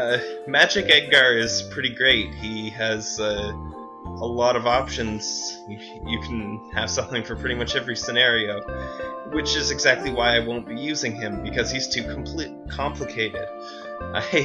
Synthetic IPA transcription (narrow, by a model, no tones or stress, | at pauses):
ʌmæd͡ʒɨkɛɡ̚ɡɑɹɪz̥pʰɹ̥ɪɾiɡɹeɪt̚hiɨz̥ʌ | əlɔɾʌvɑpʃɨ̃nz̥ | jɨkʰn̩ɨv̥sʌ̃mθɪ̃ŋfə̃˞pʰɹ̥ɪɾimʌt͡ʃɛvɹisɨnɛɹioʊwɨt͡ʃɨzɨɡzæk̚tʰˡliwaɪaɪwõʊ̃nb̥ijʉzɪ̃ŋɪ̃mbɨkʰʌz̥iz̥tʰʉkʰm̩pʰl̥it̚kʰɑ̃mpʰlɨkʰeɪɾɪ̰d̥̚ | ʔaɪɪ